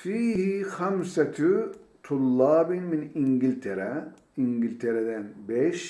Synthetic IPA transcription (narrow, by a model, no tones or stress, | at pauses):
fiːhixamsat̪ʰt̪ʰulːɑːbinminiŋɡilʲt̪ʰɛɾɛ | iŋɟilʲt̪ʰeɾɛd̪ænbɛʃ